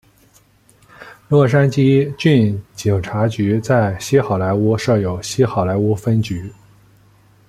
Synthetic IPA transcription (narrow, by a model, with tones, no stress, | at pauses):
lwɔ˥˩ʂ̬a˥nt͡ɕi˥t͡ɕy˥˩nt͡ɕi˨˩ŋʈ͡ʂʰa˧˥t͡ɕy˧˥t͡sa˥˩ɪɕi˥xɑ˨˩ʊla˧˥ɪu˥ʂɤ˥˩jo˨˩ʊɕi˥xɑ˨˩ʊla˧˥ɪu˥fə˥nt͡ɕy˧˥